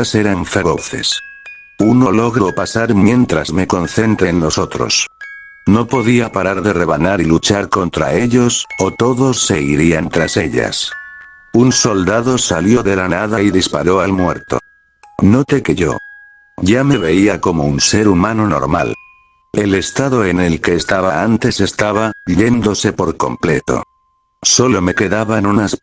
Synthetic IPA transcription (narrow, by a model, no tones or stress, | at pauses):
ase̞ɾaɱfeβo̰θe̞̰s | uno̞lo̞ɣɾeopasaɾmje̞nt̪ɾazme̞ko̞n̟θe̞nt̪ɾeːnlo̞so̞t̪ɾo̰s | no̞po̞ðiapaɾaɾðe̞re̞β̞anaɾilut͡ʃaɾko̞nt̪ɾa̰e̞ʎo̞sot̪o̞ðo̞sːe̞iɾiant̪ɾase̞ʎa̰s | unso̞ld̪aðo̞saljo̞ðe̞lanaðaiðispa̰ɾo̞almwe̞̰ɾt̪o̞̰ | no̞t̪e̞ke̞ʝo̞̰ | ʝame̞βe̞iako̞mo̞unse̞ɾumano̞no̞̰ɾma̰l | e̞le̞st̪aðo̞e̞ne̞lke̞ːst̪aβaant̪e̞se̞st̪aβ̞aʎe̞nd̪o̞se̞po̞ɾko̞̰mple̞t̪o̞̰ | so̞lo̞me̞ke̞ðaβaenunas